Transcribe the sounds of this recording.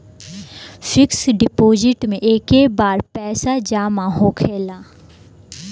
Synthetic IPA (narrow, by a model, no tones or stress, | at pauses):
fʰɪksɖɪpoːd͡ʒɪʈmẽʔeːkebaːɾpɛːsad͡ʒaːmãɦokʰeːlaː